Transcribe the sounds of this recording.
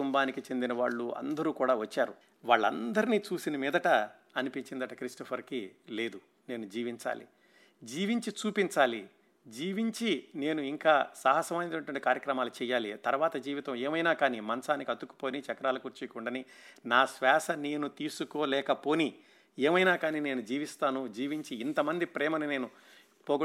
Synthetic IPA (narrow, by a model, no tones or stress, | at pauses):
uumbaːnikit͡ʃe̞nd̪inɐʋaːɭːuɐ̰nd̪ɐɾuːkuːɽaːʋɐt͡ʃːaːɾu | ʋaːɭːɐ̰nd̪ɐɾiniːt͡ʃuːsinɐmiːd̪ɐʈɐː | nipiɲt͡ʃind̪ɐʈɐkɾisʈɐpʰɐɾkile̞ːd̪u | ne̞ːnud͡ʒiːʋiɲt͡ʃa̰ːlḭ | d͡ʒiːʋiɲt͡ʃit͡ʃuːpiɲt͡ʃaːli | d͡ʒiːʋiɲt͡ʃine̞ːnuiŋkaːsɐɦɐsɐmɐjnɐɳʈiɐɳʈikaːɾjɐkɾɐmaːlut͡ʃɛːjaːlit̪ɐɾʋaːt̪ɐd͡ʒiːʋit̪ɐmeːmɐjnaːkaːnimɐnɐsaːnikiɐd̪uku̥po̞ːnit͡ʃɛkɐɾaːlukuɾt͡ʃikuɳɖɐninaːsʋɛːsɐneːnut̪iːsukoːlɛːkɐpo̞ːni | eːmɐjnaːkaːnine̞ːnud͡ʒiːʋist̪aːnud͡ʒiːʋiɲt͡ʃiːnt̪ɐmɐnd̪ipɾɛːmɐnine̞ːnu | poːɡ